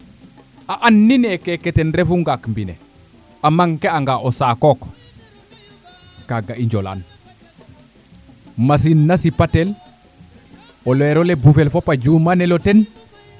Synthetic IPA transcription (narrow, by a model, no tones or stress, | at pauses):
aʔanːinekeketenɾefuŋɡakmbinḛ | amaŋkeaŋɡaʔosakok | kaɡaʔiɲd͡ʒola̰n | mas̬inːasipatel | ɔlɛɾolebufelfopad͡ʒumaneloten